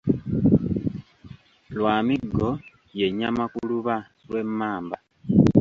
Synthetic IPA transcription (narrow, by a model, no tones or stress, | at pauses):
lwaːmiɡːo̞ | je̞ɲamakuluβa | lwe̞mːaːmba